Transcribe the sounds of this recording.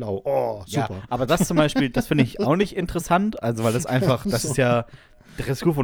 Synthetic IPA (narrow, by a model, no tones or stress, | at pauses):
aɔzjauːpɐʔaːbɐdast͡sʊmbaɪʃpiːldasfɪndəɪçaʊxnɪçtɪntəʁəsantʔalzovaɪldasʔa̰ɪnfaχd̥asɪ̥stjaː | d̥ʁɛskuːfɔ